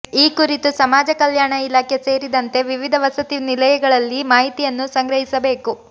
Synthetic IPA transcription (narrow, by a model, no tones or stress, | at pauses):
iːkuɾit̪usɐmaːd͡ʒɐkɐljaːɳɐilaːkʰjese̞ːɾid̪ɐnt̪e̞ʋiʋid̪ʱɐʋɐsɐt̪inilɐjɐɡɐɭɐlːimaːɦit̪ijɐnːusɐŋɡɾɐɦisɐbe̞ːku